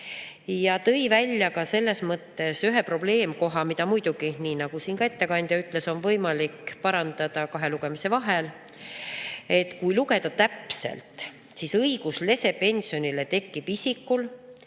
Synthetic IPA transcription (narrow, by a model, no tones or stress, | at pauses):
jɑt̪ɤjvælʲjɑkɑse̞lːe̞smɤt̪ːe̞syɦe̞pro̞b̥le̞ːmko̞ɦɑmid̪ɑmujd̪̥uɡ̥iniːnɑɡ̥usiːnkɑe̞t̪ːe̞kɑnʲd̪̥jɑyt̪ːˑle̞so̞nvɤ̞jmɑlikpɑɾɑnd̪̥ɑd̪̥ɑkɑɦe̞luɡ̥e̞mise̞vɑɦe̞l | e̞t̪ːkujluke̞d̪̥ɑt̪æpse̞̰lt̪ | sisɤiɡusle̞se̞pe̞nʲsio̞nilet̪e̞kːˑib̥isʲikːˑul